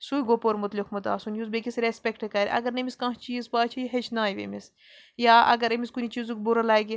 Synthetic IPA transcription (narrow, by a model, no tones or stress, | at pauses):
suːjɡopoɾmʊt̪likmut̪a̰ːsunjuzbekʲisɾespʲekʈekɐɾʲʔɐ̰ɡɐɾnɐmiskãːt͡ʃiːzpaːt͡ʃʰiɦet͡ʃʰnaːjʋḛmis | jaːʔɐ̰ɡɐɾɐmiskunʲit͡ʃiːzukʲbuɾɐlaːɡʲi